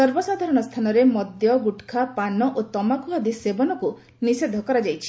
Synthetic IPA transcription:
sɔɾbɔsad̪ʱaɾɔɽ̃ɔst̪ʰanɔɾemɔd̪jɔɡuʈkʰapanɔʔot̪ɔmakuɦad̪isebɔnɔku | nised̪ʱɔkɔɾad͡ʒajt͡ʃʰi̥

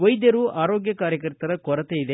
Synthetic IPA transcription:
ʋɐjd̪jɐɾuʔaːɾoːɡjɐkaːɾjɐkɐɾt̪ɐɾɐkɔɾɐt̪eid̪e

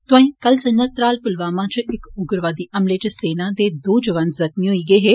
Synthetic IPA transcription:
t̪ʊãẽːkəlsənət̪ɾaːlpʊlʋaːmãːt͡ʃɪkʊɡəɾʋaːd̪iːʔəmleːt͡ʃseːnãːd̪eːd̪uːd͡ʒəʋə̃nd̪zəxmiːɦoiːɡəiːɦeː

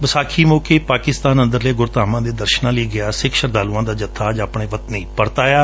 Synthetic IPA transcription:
bəsaːkʰiːmoːkeːpaːkɪst̪aːnə̃nd̪əɾleːɡʊɾt̪aːmãːd̪eːd̪əɾʃnãːləiːɡɪaːsɪkʃəɾd̪aːluːãːd̪aːd͡ʒət̪ʰːaːd͡ʒaːpɳ̃ẽːʋət̪neːpəɾt̪aːjaː

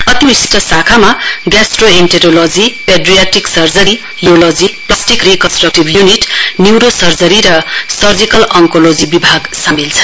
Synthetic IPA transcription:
ʌt̪iisʈʌsakʰamaɡasʈroenʈeɾolod͡zipeɖrijaʈiksʌrd͡zʌɾi | jolod͡ziplasʈikrikʌnsʈrʌk̚ʈibjuniʈniwɾosʌrd͡zʌɾiɾʌsʌrd͡zikʌlʌŋkolod͡zibibʱaɡsamilt͡sʰʌ̥n

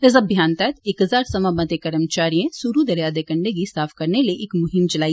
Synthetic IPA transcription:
ɐzəbʱjaːnt̪ɛːt̪ekɦɐzaːɾsɐmamɐd̪jekɐɾəmt͡ʃaːɾijẽsuɾud̪ɐɾjaːd̪ekɐ̃ɳɖeɡisaːfʰkɐɾneleʔɪkmʊɦɪmt͡ʃɐlaːi

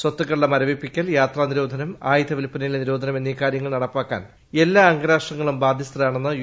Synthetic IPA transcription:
swɐt̪ːukːɐɭːɐmɐɾɐʋipːikʲːɐljaːt̪raːniɾo̞ːd̪ʱɐnɐma̰ːjɐd̪ɐʋilpːɐnɐjilniɾo̞ːd̪ʱɐnɐmenːiːkːaːɾjɐŋːɐɭnɐɽɐpːaːkːa̰ːn | e̞lːaːɐŋɡɐɾaːʂʈrɐŋːɐɭumbaːd̪ʱjist̪rɐjaːɳenːɨ

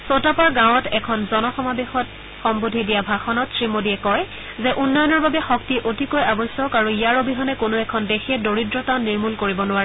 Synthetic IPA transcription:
sotapaɹɡãw̃ɔtʰɛkʰɔnzɔnɔxɔmabexɔt | xɔmbudʱidijabʱaxɔnɔtsɹimodiɛkɔɹ | zɛʔunːɔjɔnɔɹbabɛxɔktiʔotikojabɔjsɔkaɹuijaɹobʱiɦɔnɛkonoɛkʰɔndexiɛdoɹidɹɔtanːiɹmulkoɹibɔnʊwaɹɛ

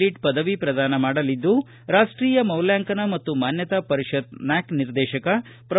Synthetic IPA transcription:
iʈpɐd̪ɐʋipɾɐd̪aːnɐmaːɽɐlid̪ːu | ɾaːʂʈɾiːjɐmɐwljaːŋkɐnɐmɐt̪ːumaːnjɐt̪apɐɾiʃɐt̪naːkniɾd̪ɛːʃɐkɐ | pɾɐ

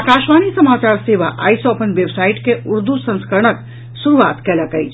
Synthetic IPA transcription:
akaʃʋanisəmat͡ʃaɾseʋa̰ʔa̰jsɔəpənʋebsaiʈkeuɾd̪usə̃nskəɾəɳək | suɾuʋat̪kɛləkəjt͡ʃʰ

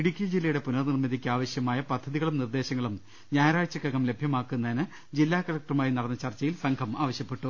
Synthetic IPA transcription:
piɽikʲːɐd͡ʑilːɐjuɽe̞punɐrnirmɐðʱikʲːaːʋɐɕjɐmaːjɐpɐd̪ʱːɐðiɣɐɭumnird̪eːɕɐŋːɐɭum | ɲaːjɾaːɻt͡ɕːɐkːɐɡɐmle̞bʱjɐmaːkːunːɐinɨ | d͡ʑilːaːkɐlɐk̚ʈrɐmaːjinɐɽɐnːɐt͡ɕɐrt͡ɕːɐjilsɐŋɡʰɐmaːʋɐɕjɐpːe̞ʈːu

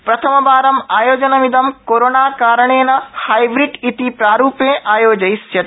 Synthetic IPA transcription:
pɾɐt̪ʰɐmɐbaːɾɐmaːjoːd͡ʒɐnɐʋid̪ɐmkoːɾoːnaːkaːɾɐɳ̃eːnɐhaːjbɾiʈit̪ipɾaːɾuːpẽʔaːjoːd͡ʒɐjst͡ʃɐt̪

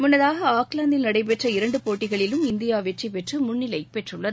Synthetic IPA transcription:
mʊnːɐðaːɣɐaːklaːnd̪ɪlnɐɽɐɪp̬ɛʈrɐɪɾɐɳɖɯpoːʈːɪɣɐɭɪlɯmɪnd̪ɪjaːʋɛʈripɛʈrɯmʊnːɪlɐɪpɛʈrɯɭːɐð

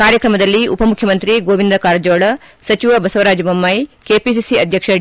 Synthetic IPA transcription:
kaːɾjɐkɾɐmɐd̪ɐlːiʔupɐmukʰjɐmɐnt̪ɾiɡoːʋind̪ɾɐkaːɾɐd͡ʒoːɭɐ | sɐt͡ʃiʋɐbɐsɐʋɐɾaːd͡ʒɐbɐmːɐjkeːpis̬isiɐd̪ʱjɐkʂɐ

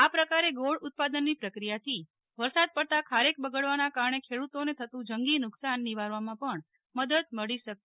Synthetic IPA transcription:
apɾəkaɾeɡoɭʊt̪̚pad̪ənːipɾəkɾijat̪ʰi | ʋəɾsad̪̚pəɽt̪akʰaɾek̚bəɡəɭʋanakaɾəɳekʰeɽut̪onet̪ʰət̪ũd͡ʒəŋɡinʊksanːiʋaɾʋamãpəɳ | məd̪əd̪̚məɭiʃəke

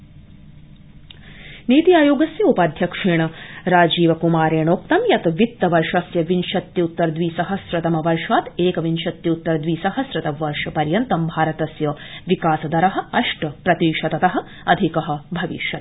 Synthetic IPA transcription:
niːt̪ijaːjoːɡɐsjɐupaːd̪ʱjɐkʂeːɳɐɾaːd͡ʒiːʋɐkumaːɾeːɳoːk̚t̪ɐmjɐt̪ɐʋit̪ːɐʋɐɾʂɐsjɐʋinʃɐt̪jɐut̪ːɐɾd̪ʋiːsɐɦɐsɾɐt̪ɐmɐʋɐɾʂaːt̪eːkɐʋinʃɐt̪jɐut̪ːɐɾɐd̪ʋiːsɐɦɐsɾɐt̪ɐʋɐɾʂɐpɐɾjɐnt̪ɐmbʱaːɾɐt̪ɐsjɐʋikaːsɐd̪ɐɾɐɦɐ̆ɐʂʈɐpɾɐt̪iːʂɐt̪ɐt̪ɐɦɐ̆ | ɐd̪ʱikɐɦɐ̆bʱɐʋḭʃjɐt̪̚

